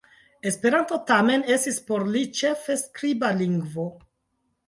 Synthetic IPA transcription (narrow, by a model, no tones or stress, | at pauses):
e̞spe̞ɾanto̞tame̞ne̞stispo̞ɾlit͡ʃe̞fe̞skɾibaliŋɡvo̞